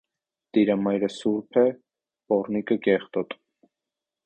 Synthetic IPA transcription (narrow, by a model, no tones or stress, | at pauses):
d̪̥iɾɑmɑjɾəsuɾpʰɛ | pɔrnikəkɛχt̪ɔt̪